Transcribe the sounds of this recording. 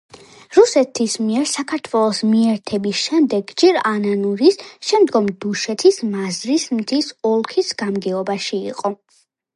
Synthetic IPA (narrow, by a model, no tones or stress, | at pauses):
ɾusɛt̪ʰismiɛɾsakʰaɾt̪ʰwɛlˠɔsmiɛɾt̪ʰɛbisʃɛmd̪ɛɡd͡ʒɛɾananuɾisʃɛmd̪ɡɔmd̪̥uʃɛt̪ʰismazɾismt̪ʰisɔlˠkʰisɡ̥amɡɛɔbaʃḭːqʼɔ